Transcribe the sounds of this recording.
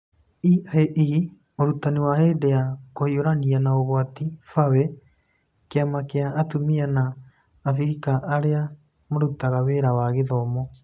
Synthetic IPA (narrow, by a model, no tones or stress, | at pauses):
iaeʔii | oɾutaniwaheːdeakohioɾanianaoɣwatifawe | keamakeaːtumianaː | fiɾikaʔːɾea | moɾutaɣaweɾawaɣeðɔmɔ